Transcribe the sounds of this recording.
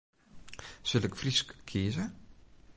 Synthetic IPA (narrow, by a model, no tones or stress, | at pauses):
sɪlɪkfriskkʰiːzə